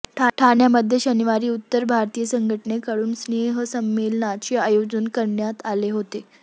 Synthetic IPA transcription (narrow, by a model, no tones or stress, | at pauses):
ʈʰʈʰaɳjaməd̪ʱːjeɕəniʋaɾiːut̪ːəɾbʱaɾt̪ijəsəŋɡʱəʈənekəɽuːnsneɦəsəmːelənat͡ɕeajod͡zənkəɾɳjat̪aleɦot̪e